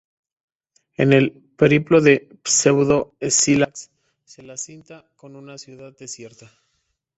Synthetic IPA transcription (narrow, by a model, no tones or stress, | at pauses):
e̞̰ne̞l | pe̞ɾiplo̞ðe̞ | sewðo̞esilaks | selasint̪ako̞nunasjuðaðd̪e̞sje̞ɾt̪a